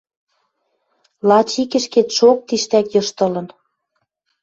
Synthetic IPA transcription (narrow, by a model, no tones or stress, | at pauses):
lɑt͡ɕikɘ̆ʃket̪ʃok̚t̪iʃt̪ækjɤ̆ʃt̪ɤ̆lɤ̆n